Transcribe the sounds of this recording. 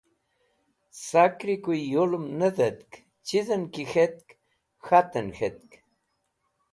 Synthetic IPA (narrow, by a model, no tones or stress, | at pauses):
sakɾikujjolumnəðət̪k | t͡ʃizənkixet̪̚k | xat̪ənxet̪̚k